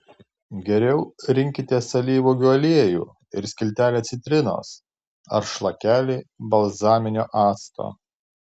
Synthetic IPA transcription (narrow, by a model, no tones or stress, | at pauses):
ɡʲɛɾʲɛʊɾʲɪŋʲkʲɪt̪ʲeːsɐlʲiːʋuːɡʲuɔlʲeɛjṵː | ɪɾsʲkʲɪlʲt̪ʲæːlʲeːt̪sʲɪt̪ʲɾʲɪno̰ːs | ɐ̰ɾʃlˠɐkʲæːlʲiːbɐlˠzɑːmʲɪnʲoːʔɑːst̪o̰ː